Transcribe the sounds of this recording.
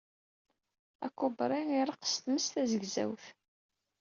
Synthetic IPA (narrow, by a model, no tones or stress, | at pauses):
æ̰kːubɾˤiniɾˤəqst̪məst̪æzəɡzæ̰wθ